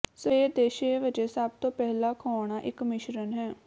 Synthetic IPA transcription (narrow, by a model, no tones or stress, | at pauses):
seːd̪eːʃeːʋɪd͡ʒeːsəbt̪õːpɛɦlaːkʰɔːɳ̃aːʔɪkmɪʃɾənɦɛː